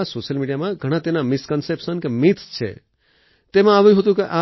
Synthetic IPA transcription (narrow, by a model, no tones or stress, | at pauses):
asoʃəlmiɖijamãɡʱəɽ̃ãt̪enamɪskənsepʃənkemit̪ʰst͡ʃʰḛ | t̪emãaʋũɦət̪̬ũkeʔa